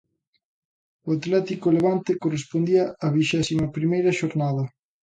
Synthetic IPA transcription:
oat̪lɛt̪ikoleβant̪ekorespond̪iɐːβiʃɛsimɐpɾimejɾɐʃoɾnaðɐ

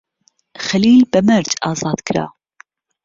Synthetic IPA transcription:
xɐliːlbɐmɨɾt͡ʃɑːzɑːd̪̥kʰɨɾa̰ː

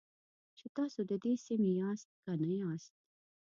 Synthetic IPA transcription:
t͡ʃet̪ɑsod̪əd̪esimijɑst̪̚kanajɑst̪̚

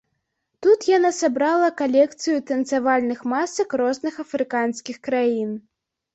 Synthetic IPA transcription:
t̪ut̪janasabɾalˠɐkalʲɛkt̪sɨjut̪ɐnt̪savalʲnɨxmasɐkrɔznɨxɐfɾɨkansʲkʲixkɾajin

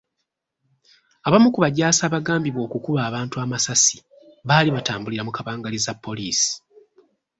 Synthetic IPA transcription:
aβamukuβaɟaːsaːβaɡaːmbiβwo̞ːkukuβaːβaːntuamasasi̥ | βaːliβataːmbuliɾamukaβaːŋɡalizapːo̞liːsi̥

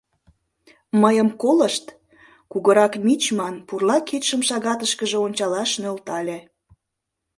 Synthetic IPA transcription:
məjəmkoləʃt̪ | kuɣəɾɑkmʲit͡ɕmɑnpurlɑket̪ʃəmʃɑɣɑt̪əʃkəʒeonʲt͡ɕɑlɑʃnølt̪ɑlʲe

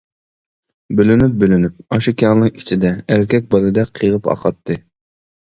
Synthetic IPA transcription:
bølynyp̚bølynyp̚ɑʃikʲʰɑŋnɨŋi̥t͡ʃʰid̪ɛæɾkʲɛk̚ʲbɑlˠɨd̪ɛqʰːɨʁɨpɑ̰qɑt̪ʰːɨ

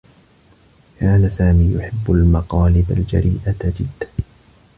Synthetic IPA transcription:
kaːnasaːmiːjʊħɪbːʊlmɑqɑːlɪbald͡ʒa̰ɾiːʔad͡ʒɪd̪ːa

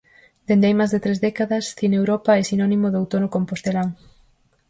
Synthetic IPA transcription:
d̪̥end̪ejmazðet̪ɾezðɛkaðɐsθinewɾɔpaesinɔnĩmoðowt̪onokompost̪elaŋ

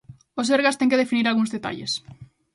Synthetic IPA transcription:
oseɾɣast̪eŋkeðefiniɾalɣuŋzðet̪a̰ʎḛs

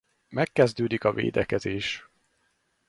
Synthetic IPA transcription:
mɛkːɛzd̪øːd̪ikɒvḛːd̪ɛkɛzeːʃ

